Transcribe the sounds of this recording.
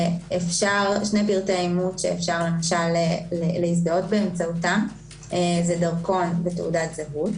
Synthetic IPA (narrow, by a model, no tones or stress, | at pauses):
efʃaʁʃnepiʁtaimutʃeːfʃaʁle̞maʃaleleis̬d̪aotbeːmt͡sautam | ezedɐʁko̞nbetḛṵdatzaɦut